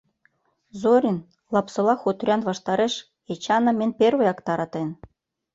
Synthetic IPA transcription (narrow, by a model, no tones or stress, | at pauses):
zoɾʲin | lɑpsɤ̆lˠɑxut̪rʲɑnβɑʃt̪ɑɾeʃ | et͡ɕɑnɤ̆mʲĕnʲperβĕjɑkt̪ɑɾɑt̪en